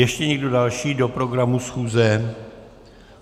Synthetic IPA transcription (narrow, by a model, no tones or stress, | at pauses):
jɛʃcɛɲɛɡdo̞dalʃiːdo̞pɾo̞ɡɾamusxuːzɛ